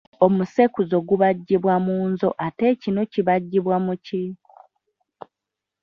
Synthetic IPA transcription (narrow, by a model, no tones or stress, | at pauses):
o̞musekuzo̞ɡuβaɟːiβwamuːnzo̞̰ʔate̞cino̞ciβaɟːiβwamuci